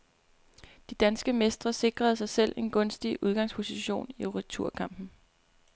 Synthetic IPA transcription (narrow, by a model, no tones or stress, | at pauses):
d̥id̥ænsɡ̥əmesd̥ʁɐse̝ɡ̥ʁɐð̞̩ˠsɑ̈ɪsel̰e̝nɡ̥ɔ̽nsd̥iʔuð̞ˠɡ̥ɑ̈ŋ̰spʰo̝siɕo̝̰ːniʁit͡sʰuɐ̰kʰɑ̈m̰b̥n̩